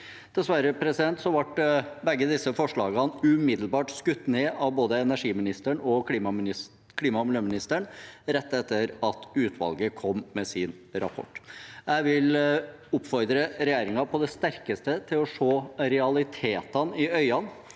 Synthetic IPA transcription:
d̪̥ɛsʋæɾəpʰɾɛsɪd̪ɛnt̪sɔʋɑʈbɛɡːəd̪ɪsːəfɔʂɭɑːɡɑnʉmɪd̪l̩bɑːʈskʉt̪ːneːʔɑʋboːd̪əɛnæʂiːmɪnɪst̪əɳɔkʰliːmɑm | kʰliːmɑmɪløːmɪnɪst̪əɳɾɛt̪ːɛt̪ːəɾɑt̪ʉːt̪ʰʋɑ̰lɡəkʰɔmːmɛsɪn | ɾɑ̰pʰɔ̰ʈːjæɪʋɪl | ʊpːfɔɾd̪ɾəɾɛjæːɾɪŋɑpʰɔd̪ɛst̪æɾkəst̪ət̪ʰɪlɔʂoːɾɛɑlɪt̪ʰeːt̪ɑnɪœʏɑn

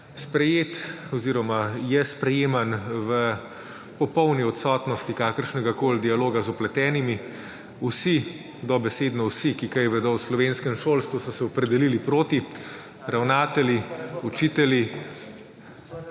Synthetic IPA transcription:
spɾɛjeːt̪ɔziːɾɔmajɛspɾɛjeːmanʋə | pɔpɔwniɔt̪sɔt̪nɔst̪ikaːkəɾʃnɛɡakoːld̪ialoːɡazɔplɛt̪ɛːnimi | usi | d̪ɔbɛseːd̪nɔwsikikajɛʋɛd̪ɔwslɔʋeːnskɛmʃoːlst̪ʋusɔsɛɔpɾɛd̪ɛlilipɾoːt̪i | ɾawnaːt̪ɛliut͡ʃit̪ɛlji

